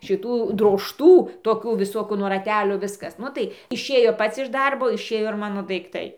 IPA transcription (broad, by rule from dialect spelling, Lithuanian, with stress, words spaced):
ʃʲɪˈtuː droːʃˈtuː toːˈkʲuː ʋʲɪˈsoːkuː nuɔ rɐˈtʲæːlʲoː ˈʋʲɪskɐs ˈnʊ tɐɪ ɪʃʲˈeːjoː ˈpɐts ɪʃ ˈdɐrboː ɪʃʲˈeːjoː ɪr ˈmɑːnoː dɐɪkˈtɐɪ